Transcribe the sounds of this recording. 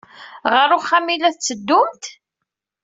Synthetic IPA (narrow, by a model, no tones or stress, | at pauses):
ʁəɾʊχæmilæθt͡sːəd̪ːʊmt̪